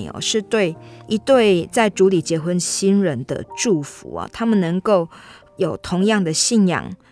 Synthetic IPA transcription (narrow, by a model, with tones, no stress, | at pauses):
ɔ̰˨˩ʂɻ̩˥˧t̪we˥˨ɪʔi˧t̪we˥˨ɪt͡sa˥˩ɪʈ͡ʂu˨˧˥li˨˩t͡ɕjɛ˧˥xwə˦nɕi˦nɻə˧˦nd̪ə̰˨ʈ͡ʂu˥˨˩fṵ˨˧˦ɐ̰˨˩t̪ʰa˦mə˨nːə˧˥ŋko˥˩ʊ | jo˨˩ʊt̪ʰo˧˦ŋjɑ˥˨ŋd̪ə˨ɕi˥˧njɑ̰˨˩ŋ